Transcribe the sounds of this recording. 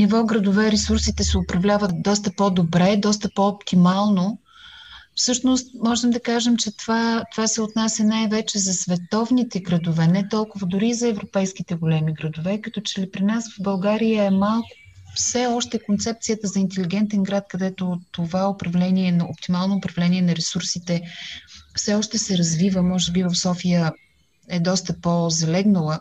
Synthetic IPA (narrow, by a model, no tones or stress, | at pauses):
nivɔɡɾɐd̪ovɛɾɛsuɾsit̪ɛsɛopɾɐvlʲavət̪̚d̪ɔs̬t̪əpɔd̪obɾɛd̪ɔst̪əpɔopt̪imalˠno | fsɤʃnost̪̚mɔʒɛmd̪ɐkaʒɛmt͡ʃɛt̪vat̪ovasɛot̪nasʲjɐnajvɛt͡ʃɛzɐsvɛt̪ɔvnit̪ɛɡɾɐd̪ovɛnɛt̪ɔlˠkʊvəd̪ʊɾizɐɛvɾopɛjsk̟it̪ɛɡolɛmiɡɾɐd̪ovɛkɐt̪ɔt͡ʃɛlipɾinasvɐvbɐlˠɡaɾijəɛmalˠkʊ̥ | fsɛɔʃt̪ɛkont̪sɛp̚t̪sijət̪əzɐint̪ɛliɡɛnt̪ɛnɡɾat̪kɐd̪ɛt̪ot̪ovaopɾɐvlɛniɛnɐo̰pt̪imalˠnoːpɾɐvlɛniɛnɐɾɛsuɾsit̪ɛ | fsɛɔʃt̪ɛsɛɾɐzvivəmɔʒɛbivɐfsɔfijə | ɛd̪ɔst̪əpozɐlɛɡnəlˠə